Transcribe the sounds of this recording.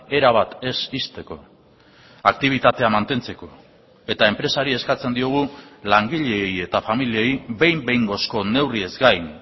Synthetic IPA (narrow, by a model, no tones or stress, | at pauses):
e̞ɾaβ̞at̪e̞sist̪e̞ko̞ | akt̪iβ̞it̪at̪e̞amant̪e̞nt͡se̞ko̞ | e̞t̪aempɾe̞saɾie̞skat͡se̞nd̪io̞ɣ̞ulaŋɡiʎe̞je̞t̪afamilie̞jbe̞jmbe̞jŋɡo̞sko̞ne̞wrie̞zɡajn